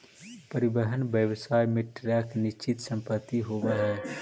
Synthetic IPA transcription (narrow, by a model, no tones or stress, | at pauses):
pəɾɪbəɦənbjəʋsaːjmeʈɾakniʃt͡ʃit̪sə̃mpət̪ːiɦoʋɛɦɛː